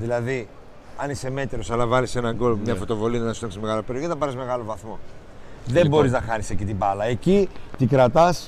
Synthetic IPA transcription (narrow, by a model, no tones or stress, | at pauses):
ðilɐði | ɐniseme̞t̪eɾo̞sɐlɐvɐlise̞nɐŋɡolmɲɐfo̞t̪o̞vo̞linɐnɐsut̪ɐksimeɣɐlope̞ɾioçiθɐpɐɾizme̞ɣɐlo̞vɐθmo̞ | ðe̞mbo̞ɾiznɐxɐnisecit̪ibɐlɐe̞cit̪ikɾɐt̪ɐs